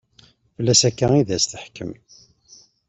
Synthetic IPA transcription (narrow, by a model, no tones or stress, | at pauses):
fəlːæsækːæiðæst̪əħkə̰m